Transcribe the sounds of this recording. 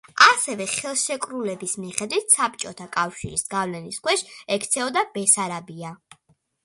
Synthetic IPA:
asɛvɛχɛlˠʃɛkʼɾulɛbismiχɛd̪wit̪ʰsap̚t͡ʃʼɔt̪ʰakʼafʃḭɾisɡavlɛniskwɛʃɛkʰt̪sʰɛɔd̪abɛsaɾabia

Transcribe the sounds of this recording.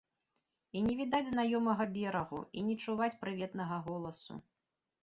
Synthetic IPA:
inʲɛvʲid̪ad͡zʲznajɔmɐɣɐbʲɛɾɐɣṵinʲɛt͡ʂuvat͡sʲpɾɨvʲɛt̪nɐɣɐɣɔlˠɐsṵ

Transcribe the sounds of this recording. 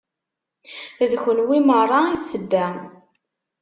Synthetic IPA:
ðçənwimərˤːɑiθsəbːæ

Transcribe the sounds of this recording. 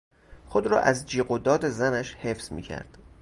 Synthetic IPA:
xod̪ɾɒ̰ːʔæzd͡ʒiːɡod̪ɒːd̪e̞zænæʃhefsmḭːcʰæ̰ɾd̪̥

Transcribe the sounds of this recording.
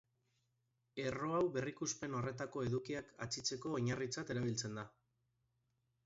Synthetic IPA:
e̞ro̞awβe̞rikuspe̞no̞re̞t̪ako̞e̞ðukiaka̰t͡sit͡se̞ko̞ːɲarit͡sat̪e̞ɾaβ̞ilt͡se̞nd̪a

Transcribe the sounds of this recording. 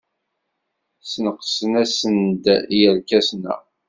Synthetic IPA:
snəqːsənæsənd̪jælkæsnæ̰

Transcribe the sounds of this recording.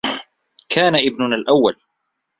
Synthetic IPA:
kʰaːnaʔɪbnʊnalʔawːal

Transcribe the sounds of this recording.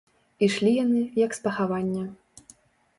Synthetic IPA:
iʂlʲijanɨjɐkspɐxavanʲːɐ

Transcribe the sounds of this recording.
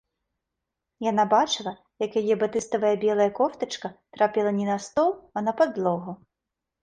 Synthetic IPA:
janabat͡ʂɨlˠɐ | jɐkjajɛbat̪ɨst̪ɐvɐjɐbʲɛlˠɐjɐkɔft̪ɐt͡ʂkɐt̪ɾapʲilˠɐnʲɛnɐst̪ɔlˠɐnɐpad̪lˠɔɣʊ

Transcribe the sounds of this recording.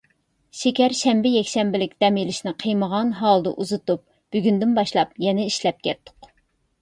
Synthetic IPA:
ʃekʲɛɾʃɛmbɪjɛkʲʃɛmbɪlɪkʲd̪̥ɛmilɪʃnɪqʰəjməʁɑnɦɑlˠd̪ə̰ʔuzɨt̪up̚ | b̥yɡʲynd̪ɪnbɑʃlˠɑpjɛnɛiʃlɛp̚kʲɛt̪ːʊ̥q

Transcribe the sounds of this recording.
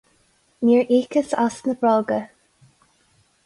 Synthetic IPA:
miːɹʔiːkəsasnəbɹɔːɡə

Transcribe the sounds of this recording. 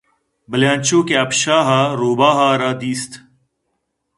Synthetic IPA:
bəljãːnt͡ʃoːkeɐpʃaːɦaːɾoːbaːɦaːɾaːd̪iːst̪ʰ

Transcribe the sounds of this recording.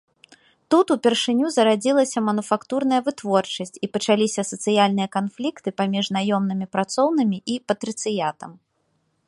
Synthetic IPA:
t̪ut̪upʲɛrʂɨnʲuzɐɾad͡zʲilˠɐsʲɐmɐnufakt̪urnɐjɐvɨt̪vɔrt͡ʂɐsʲt͡sʲipɐt͡ʂalʲisʲɐsɐt̪sɨjalʲnɨjɐkanflʲikt̪ɨpamʲiʐnajɔmnɨmʲipɾat̪sɔwnɨmʲiʔipɐt̪ɾɨt̪sɨjat̪ɐm

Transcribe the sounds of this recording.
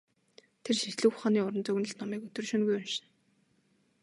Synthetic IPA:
t̪ʰerʃiɮɘ̆xχaːniːʊɾə̆nt͡sɵɣɘ̆nə̆ɬt̪nɔmiːkɵt̪ɵ̆rʃɵnɡujʊnʃɪ̥̆n

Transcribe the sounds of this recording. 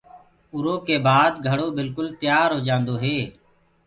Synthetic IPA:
ʊɾoːkeːbaːd̪ɡʱəɽoːbɪlkʊlt̪ɪjaːɾɦoːd͡ʒãːnd̪oːɦeː

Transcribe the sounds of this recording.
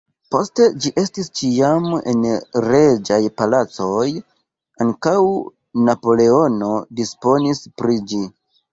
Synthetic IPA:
po̞ste̞d͡ʒiʔe̞stist͡ʃiame̞̰nɾe̞d͡ʒajpalat͡so̞j | aŋkaw | napo̞le̞o̞no̞dispo̞nispɾid͡ʒi

